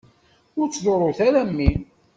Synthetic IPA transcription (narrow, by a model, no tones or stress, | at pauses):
ʊɾt͡sːðˤoɾˤoθaɾæmːin